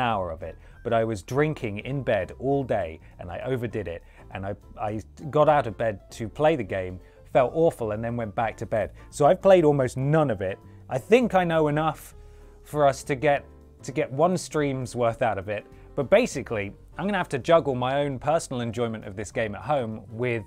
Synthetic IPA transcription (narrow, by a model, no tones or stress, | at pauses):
aʊə̰˞ʌvɪt̚ | b̥ʌɾaɪwʌzdɹɪ̃ŋkʰɪ̃ŋɪ̃nbɛɾɔlˠdeɪ | ʔɨ̰̃naɪʔoʊvə˞dɨɾɪt̚ | ʔɨ̃naɪaɪɡɑɾaʊɾʌvbɛd̚tʰɨpʰl̥eɪðɨɡẽɪ̃m | fɛlˠtɔɹfl̩ˠə̃nðɨ̃nwɛ̃nb̥æk̚tʰɨbɛd̥ | soʊaɪv̥pʰl̥eɪɾɔlˠmoʊsnʌ̃nʌvɪt̚ | ʔaɪθɪ̃ŋkaɪnoʊɨnʌf | ə˞ʌstʰɨɡɛtʰ | ɨɡɛʔ̚wʌ̃nstɹ̥ĩmzwɜ˞θaʊɾʌvɪt̚ | b̥ʌt̚b̥eɪsɨkʰli | ãɪ̃mɡʌnɨhæftɨd͡ʒʌɡl̩ˠmaɪõʊ̃npʰɜ˞sn̩l̩ˠɨ̃nd͡ʒɔ̃ɪ̃mɨ̃ntʌ̰vðɪsɡ̥ẽɪ̃mət̚ɦõʊ̃mwɪð̥